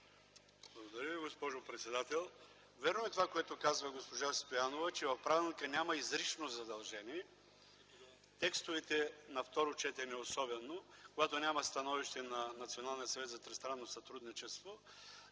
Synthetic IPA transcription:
blˠɐɡod̪ɐɾəviɡospɔʒopɾɛt̪sɛd̪at̪ɛlˠ | vʲɛɾnoɛt̪ovakoɛt̪okazvɐɡospoʒast̪ojanovɐt͡ʃɛvɐfpɾavilˠnikənʲamɐizɾit͡ʃnozɐd̪ɐlˠʒɛniɛ | t̪ɛkst̪ovɛt̪ɛnɐft̪ɔɾot͡ʃɛt̪ɛnɛosɔbɛnːokoɡat̪onʲamɐst̪ɐnɔviʃt̪ɛnɐnɐt̪sionalˠnijət̪sɐvɛt̪zɐt̪ɾɛst̪ɾanːosɐt̪ɾud̪nit͡ʃɛst̪vo

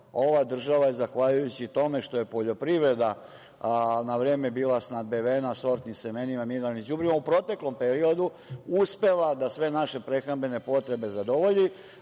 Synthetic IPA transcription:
o̞ʋad̪r̩ʒaʋajezaxʋaʎujut͡ɕit̪o̞me̞ʃt̪o̞je̞po̞ʎo̞pɾiʋɾe̞d̪a | naʋɾe̞ːmebiːlˠasnad̪̚beʋenaso̞ɾt̪niseme̞nimamiɾanid͡ʑubɾimaupɾo̞t̪e̞klo̞mpe̞ɾio̞d̪u | uspe̞lad̪asʋe̞naʃe̞pɾe̞xɾambe̞ne̞po̞t̪ɾe̞be̞zad̪o̞ʋo̞ʎi

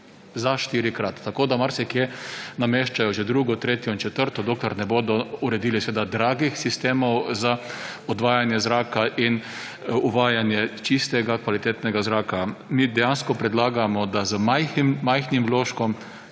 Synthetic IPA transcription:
zaʃt̪iːɾikɾat̪ːakoːd̪amaɾsɛkjenameːʃt͡ʃajɔʒɛd̪ɾuːɡɔt̪ɾeːt̪jɔint͡ʃɛt̪əɾt̪ɔd̪oːklɛɾnɛboːd̪ɔuɾɛd̪iːlisɛʋeːd̪ad̪ɾaːɡixsist̪eːmɔwzaɔd̪ʋaːjanjɛzɾaːkaʔin | uʋaːjanjɛt͡ʃist̪ɛɡakʋalit̪eːt̪nɛɡazɾaːkamid̪ɛjanskɔpɾɛd̪laːɡamɔd̪azəmajximːajxnimʋloːʃkɔm

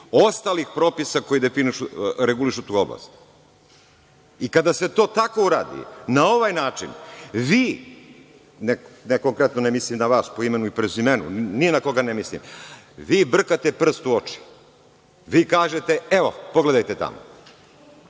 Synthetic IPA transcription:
o̞st̪alixpɾo̞ːpisako̞jid̪efiniʃuɾeɡuliʃut̪uːobla̰s | ikad̪ase̞t̪o̞ːt̪ako̞uɾa̰ːd̪ḭnao̞ʋajnaːt͡ʃḭnʋiː | neneko̞ŋkɾet̪nonemislimnaʋaːspoime̞nuipɾezime̞nṵnienako̞ɡanemislḭm | ʋiːbr̩kat̪e̞pr̩st̪uo̞t͡ʃi̥ | ʋiːkaːʒe̞t̪eeʋo̞̰poɡle̞d̪ajt̪et̪a̰mo̰

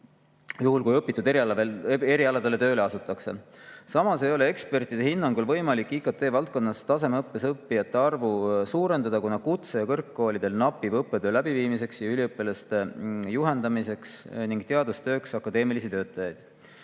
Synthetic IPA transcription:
juhulkujɤpːˑit̪ːˑud̪e | eɾiɑlɑd̪̥ele̞t̪ø̞ːle̞ɑsut̪ːˑɑkse̞sɑmɑse̞jo̞le̞e̞kspe̞rt̪id̪e̞ɦhinːɑŋɡulvɤ̞jmɑlikːˑiːkɑt̪ːˑe̞ːvɑlt̪̚ko̞nːɑst̪ɑse̞meɤpːe̞sɤpːijɑt̪ːe̞ɑrvusuːɾe̞nd̪ɑd̪̥ɑkunɑkut̪sejɑkɤrkːo̞ːlid̪̥e̞lnɑpːˑivɤpːe̞d̪̥øːlæbiviːmis̬e̞ksjɑylʲiɤpːˑelɑst̪e̞juɦe̞nd̪̥ɑmise̞ksniŋɡ̥t̪e̞ɑd̪ust̪ø̞ːksɑkːˑɑd̪e̞ːmilisit̪ø̞ːt̪ˑːɑjɑjd̪̥

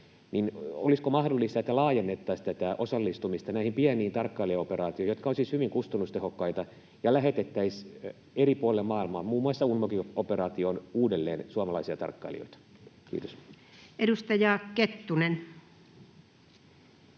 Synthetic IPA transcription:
nino̰liskomɑhdolːist̪ɑet̪ːælɑːjenːet̪ːɑist̪æt̪æʔosɑlːist̪umist̪ɑnæihimpiæniːnt̪ɑrkːɑiliɑopeɾɑːt̪ioijot̪̚kɑosishyʋiŋkust̪ɑnːust̪ehokːɑit̪ɑ | jɑlæɦet̪et̪ːæis | eripuɑlemmɑːilmɑ̰ːmmuːmːuɑsːɑunmokioperɑːt̪ionuːdelːeːnsuɑmɑlɑisiɑt̪ɑ̰rkːɑ̰ilḭo̰it̪ɑ̥kḭːt̪os | edust̪ɑjɑket̪ːunen

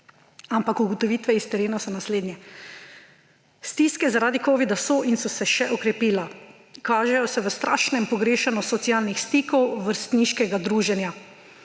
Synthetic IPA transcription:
ampakuɡɔt̪ɔʋiːt̪ʋɛist̪ɛɾeːnɔsɔnasleːd̪njɛ | st̪iːskɛzaɾaːd̪ikoːʋid̪asɔʔinsɔsɛʃɛʔɔkɾɛpiːla | kaːʒɛjɔsɛʋəst̪ɾʔa̰ːʃnɛmpɔɡɾeːʃanɔsɔt̪sijaːlnixst̪iːkɔwʋəɾst̪niːʃkɛɡad̪ɾuːʒɛnja

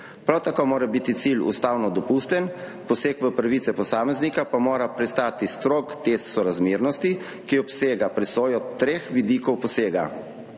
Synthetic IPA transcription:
pɾawt̪akoːmoːɾabit̪it̪siːlṵst̪aːwnɔd̪ɔpust̪ɛn | pɔseːkʋəpɾaʋit̪sɛpɔsaːmɛznikapamoːɾapɾɛst̪aːt̪ist̪ɾoːkt̪est̪sɔɾazmeːɾnɔst̪i | kiɔpseːɡapɾɛsoːjɔt̪ɾeːxʋid̪iːkɔwpɔseːɡa̰

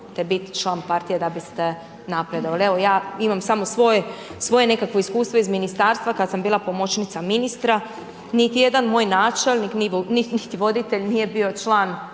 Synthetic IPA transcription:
t̪ebit̪t͡ʃlˠaːnpaɾt̪ijed̪abist̪e | napɾed̪o̞ʋalieʋo̞jaːimamsamo̞sʋo̞jesʋo̞je̞ne̞kakʋo̞iskuːst̪ʋo̞izminist̪aːɾst̪ʋakad̪sambiːlˠapo̞mo̞t͡ʃnit̪saminist̪ɾa | nit̪ije̞d̪anmoːjnaːt͡ʃe̞lˠnikniʋoninit̪iʋo̞d̪it̪eʎnije̞bio̞t͡ʃlˠaːn

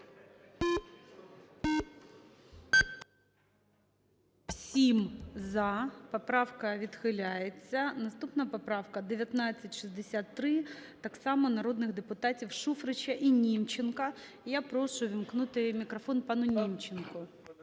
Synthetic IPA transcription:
wsʲimzɐpɔpɾɑwkɐʋʲid̪xɪlʲajet͡sʲːɐnɐst̪upnɐpɐpɾɑwkɐd̪eʋʲjɐt̪nɑt͡sʲːɐtʲʃizd̪esʲat̪ːɾɪt̪ɑksɑmɔnɐɾod̪nɪɣd̪epʊt̪ɑtʲiwʃufɾɪt͡ʃɐʔinʲimt͡ʃɪnkɐ | japɾɔʃʊʋʲimknut̪ɪmʲikɾɐfɔnpɑnʊnʲimt͡ʃɪnkʊ

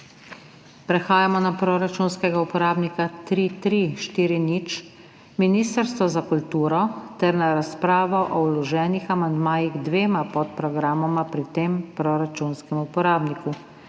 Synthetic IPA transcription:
pɾɛxaːjamɔnapɾɔɾat͡ʃunskɛɡaupɔɾaːbnikat̪ɾit̪ɾiʃt̪iːɾinit͡ʃ | minist̪əɾst̪ʋɔzakult̪uːɾɔt̪ɛɾnaɾaspɾaːʋɔʔɔwlɔʒɛːnixamand̪maːjiɣd̪ʋeːmapɔt̪̚pɾɔɡɾaːmɔmapɾit̪eːmpɾɔɾat͡ʃuːnskɛmupɔɾaːbniku

